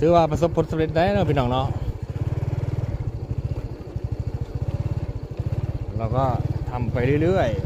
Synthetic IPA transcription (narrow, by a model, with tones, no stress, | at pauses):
sɯː˨˦waː˧˩pɾa˧s̬o˧˦pʰːo˧˥nsa˧p̚le˧t̪̚da˧˦ʔa˧˦nɔː˧˥˩pʰiː˧nɔː˧˩ŋnɔ˧˥˩ | lɛː˧˩wkɔː˧˥˩t̪ʰa˧˩mpa˧jɾɯː˧˩˨lɯ˥˩əj